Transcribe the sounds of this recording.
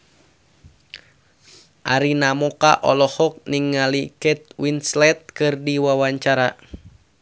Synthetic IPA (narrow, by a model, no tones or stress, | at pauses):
ʔaɾinamɔka̰ʔɔlɔhɔk̚niŋːalikɛt̪̚winslɛt̪̚kɨrdiwawaɲt͡ʃaɾa